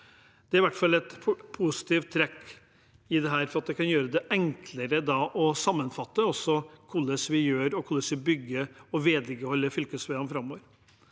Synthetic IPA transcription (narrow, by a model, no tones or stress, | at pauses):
d̪̥ɛæɾɪʋæʈfɑlːɛt̪pʰusɪ̥t̪iːft̪ʰːɾɛkː | ɪd̪ɛɦæːɾfɔɾɑt̪̚d̪ɛkɑnjøːɾəd̪ɛʔɛŋkʰləɾəd̪ɑʔɔsɑmːənfɑt̪ːəɔsːɔkʰʊlːəsʋɪjøːɾɔkʰʊlːəsʋɪbʏɡːəɔʋeːd̪ɡəhɔlːəfʏlkəsʋeɑmfɾɑmːoːʋəɾ